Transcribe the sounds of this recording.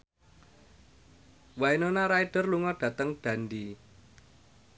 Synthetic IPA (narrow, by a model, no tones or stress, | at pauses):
wainonaɾaiɖ̥ə̤rluŋɔɖ̥ä̤t̪əŋɖ̪̥a̤ndi